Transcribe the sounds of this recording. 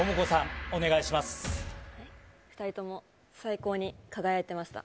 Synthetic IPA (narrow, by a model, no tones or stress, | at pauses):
omɯko̞sãŋo̞ne̞ɡaiɕimasɨ̥haiɸɯ̥t̪aɾʲit̪o̞mo̞ | saiko̞ːɲ̟ikaɡajaet̪e̞maɕi̥t̪a̰